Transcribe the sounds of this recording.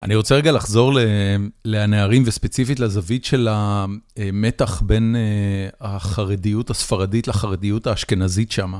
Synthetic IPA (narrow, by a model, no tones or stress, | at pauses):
ʔa̰niʁo̞t͡seʁeɡalaχzo̞ʁleleaneaʁimvespe̞t͡sifitlazavitʃe̞laeme̞taχbe̞neaχaʁedijutasfaʁaditlaχaʁedijutaːʃke̞nazitʃama